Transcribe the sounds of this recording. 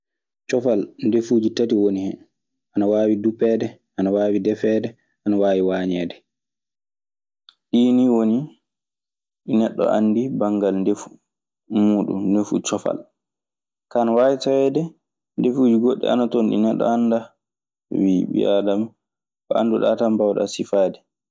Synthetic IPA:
t͡ʃɔfalndefuːd͡ʒitatiwonihɛ̰ | ʔanawaːwidupːɛːdɛʔanawaːwidɛfɛːdɛ | ʔanawaːwiwaːɲɛːdɛ | ɗiniwoni | ɗinɛɗːɔ̰ʔanːdibaŋɡalndefu | muːɗṵmnefṵt͡ʃɔfa̰l | kanawaːwitawɛːdɛ | ndefuːd͡ʒiɡoɗːɛ̰a̰natonɗḭnɛɗːɔ̰anda | wibḭʔadam | kɔa̰nduɗatambawɗa̰sifaːdɛ

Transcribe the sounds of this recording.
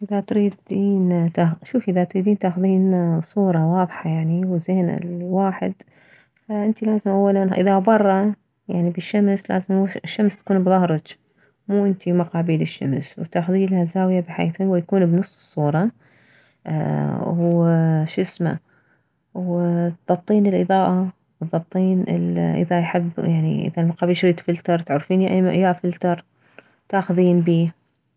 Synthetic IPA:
ʔɪðat̪ɾiːd̪iːnt̪axʃuːfʔɪðat̪ɾiːd̪iːnt̪aːxʊðiːnsˤuːɾˤɑwɑːðˤħɑjaʕniwzeːna̰lwaːħɪ̰d̪ | faʔɪnt̪ilaːzɪmʔawːalanʔɪ̰ðabɑrˤːɑ | jaʕnibɪʃːamsla̰ːzɪmɪʃːamst̪ḁkuːnbðˤɑhɾˤɑd͡ʒ | muːʔɪnt̪imaqɑːbiːlɪʃːa̰mswt̪aːxʊðiːnlhazaːwɪjabɪħḛːθhʊwɪjakuːnbnɨsˤːɨ̥sˤːuːɾˤɑ | wʃɪsma̰ | wt̪ðˤɑb̚t̪ˤiːnɪlʔɨðˤɑːʔa | b̥ɨtðˤːɑb̚t̪ˤiːnɪ̰lʔɪ̰ðajħɪbːjaʕnḭʔɪ̰ðalmɑqɑːbiːlʃɾiːt̪fɪlt̪ɑɾˤt̪ʕʊɾˤfiːnjaʔajafɪlt̪ɑɾˤ | t̪aːxʊðiːnbiː

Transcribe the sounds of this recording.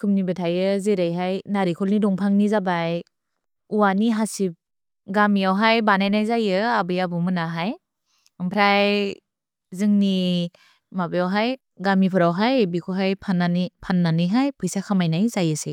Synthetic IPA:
kʰɯmnibɯtʰajɯzeɾajɦajnaɾikʰɔlnidɔŋpʰaŋnizabaj | uwaniɦasip̚ | ɡamiawɦajbanajnajzajɯabɯjabumɯnaɦaj | ɯmpʰɾaj | zɯŋni | mabɯjawɦaj | ɡamipʰɯɾawɦajbikʰɔɦajpʰananpʰanːanɯjɦajpʰɯjsakʰamajnajzajɯse

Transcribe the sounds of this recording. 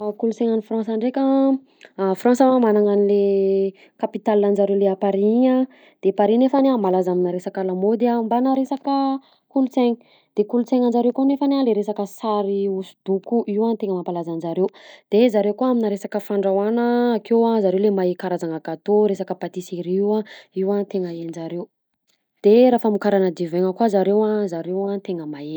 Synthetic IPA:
akulut͡seŋanifrãnsaɳɖ͡ʐekʲa | frãnsəamanaŋanile | kapit̪alːanzaɾewleapaɾiɲa | d̪̥epaɾinefanamalazaminaɾesakalamod̪ambanaɾesakə | kulut͡seɲi | d̪̥ekulut͡seŋanzaɾewkonefanaleɾesakəsaɾiusu̥d̪ukuʔiwant̪eŋəmampalazanzaɾewd̪̥ezaɾewkoaminaɾesakəfaɳɖ͡ʐawanəːkewazaɾewlemaekaɾazaŋaɡat̪oɾesakəpat̪iseɾiwaiwat̪eŋəend͡ʒaɾew | d̪̥eɾafəmukaɾanəd̪iveŋəkuazaɾewazaɾewant̪eŋəmae̥

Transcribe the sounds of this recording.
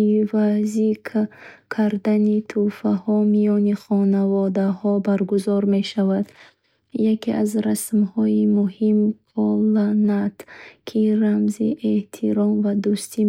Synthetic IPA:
vazikʰkʰaɾd̪anit̪ʰufahɔmijɔniχɔnavɔd̪ahɔbaɾɡuzɔɾme̞ʃavad̪ | jakeʔazɾasmhɔimuhim | ɔlanat̪kʰiɾamzḭʔeht̪ʰiɾɔmvad̪ust̪i

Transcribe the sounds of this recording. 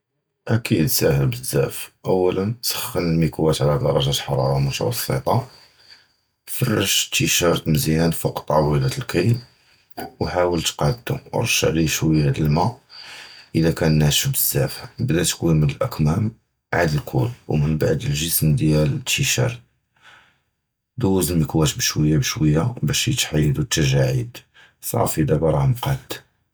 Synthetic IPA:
ʔækid̪sæhəlbəzːæfʔəwːælənt̪sə̥xxːənəlmikwæt̪ʕlæd̪ɑ̰ɾˤɑʒæt̪ħɑɾˤɑ̰ɾˤɑmʊt̪wɑ̰sˤːə̰t̪ˤɑ | fərˤːəʒt̪ːiʃɑɾˤt̪məzinænfuqt̪ˤːɑwilæt̪əlkəjn | wħawəlt̪qɑʕd̪t̪ṵɾˤʃə̰ʕliʃwihæd̪əlmæ | ʔəd̪ækænːæʃəbəzːæfbd̪æt̪kuwimənəlʔækmæm | ʕad̪əlkʰṵlwmənbaʕd̪əlʒəsmd̪jælət̪ːiʃɑ̰ɾˤt̪̚ | d̪uwzəmjəkwæʃbəʃwəjːabəʃwəjːabæʃjət̪ħajːəd̪ut̪ːæʒaʕid̪ | sˤɑ̰fid̪æbɾˤɑmqɑt̪

